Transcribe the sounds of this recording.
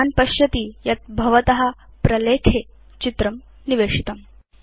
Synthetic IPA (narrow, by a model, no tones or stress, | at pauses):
anpɐɕjɐt̪iːjɐt̪̚bʱɐʋɐt̪ɐɦɐ | pɾɐleːkʰeː | t͡ɕit̪ɾɐm | niʋeːʂit̪ɐm